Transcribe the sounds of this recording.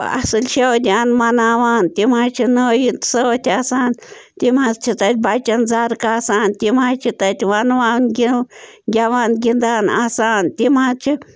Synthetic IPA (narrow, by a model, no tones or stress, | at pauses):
a̰sɨlʃewd̪ʲaːnmɐnaːʋaːnt̪imaːt͡ʃʰinəːjit̪səwt̪ʰʲasaːn | t̪imazt͡ʃʰit̪ɐt̪̚ʲbat͡ʃɐnd͡zaːɾkaːsaːnt̪ʲimaːt͡ʃʰit̪ɐt̪ʲʋɐnʋaːnɡʲiɡʲaʋaːnɡʲind̪aːna̰saːnt̪imat͡ʃʰi